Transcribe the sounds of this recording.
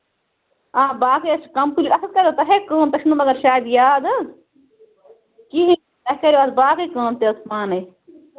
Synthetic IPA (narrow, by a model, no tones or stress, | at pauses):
ãːbaːkiɐt͡ʃkɐmkulʲiɾɐsɐt̪kɐɾjot̪ɐɦekɐːmt̪ɐʃnumɐɡɐɾʃaːd̪jaːd̪ɐz | kiɦĩ | t̪ɐɦkɐɾjoɐsbaːkikãːmt̪eɐsmaːne